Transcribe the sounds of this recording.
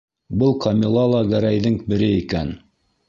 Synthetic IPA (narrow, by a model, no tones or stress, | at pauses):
bɤlˠqʰɑmʲilˠɑlˠɑɡæɾæjðɘŋbɘ̆ɾɘikæn